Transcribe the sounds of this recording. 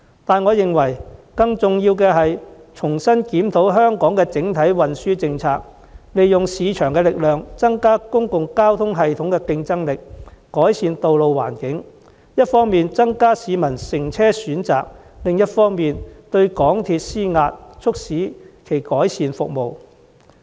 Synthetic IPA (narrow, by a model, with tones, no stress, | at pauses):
t̪aː˨nŋɔː˨˧jɪ˨ŋwɐ˨˩jkɐ˧ŋt͡sʊ˨ŋjiː˧wkɛː˧ɦɐ˨jt͡ʃʰʊ˨˩ŋsɐ˥nkiː˨˥mt̪ʰo˨˥wɦœː˥ŋkɔː˨˥ŋkɛː˧t͡sɪ˨˥ŋt̪ʰɐ˨˥jwɐ˨nsyː˥t͡sɪ˧ŋt͡sʰaː˨k̚ | le˨jːʊ˨ŋsiː˨˧t͡ʃʰœː˨˩ŋkɛː˧lɪ˨k̚lœː˨ŋt͡sɐ˥ŋkaː˥kʊ˥ŋkʊ˨ŋkaː˥wt̪ʰʊ˥ŋɦɐ˨jt̪ʰʊ˨˥ŋkɛː˧kɪ˧ŋt͡sɐ˥ŋlɪ˨kkɔː˨˥jsiː˨˧nt̪o˨wlo˨˧wwa̰ː˨˩nkɪ˨˥ŋ | jɐ˥t̚fɔː˥ŋmiː˨nt͡sɐ˥ŋkaː˥siː˨˧mɐ˨˩nsɪ˨˩ŋt͡sʰɛː˥syː˨˥nt͡sa̰ː˨k̚ | lɪ˨ŋjɐ˥t̚fɔː˥ŋmiː˨nt̪ɵ˧ɥkɔː˨˥ŋt̪ʰiː˧t̚siː˥ŋaː˧t̚t͡ʃʰʊ˥k̚siː˨˥kʰe˨˩jkɔː˨˥jsiː˨˧nfʊ˨k̚mo˨w